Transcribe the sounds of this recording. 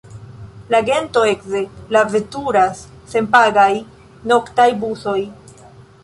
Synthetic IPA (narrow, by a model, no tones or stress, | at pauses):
laɡe̞nto̞ekzelavetuɾasː | e̞mpaɡaj | no̞ktajbuso̞j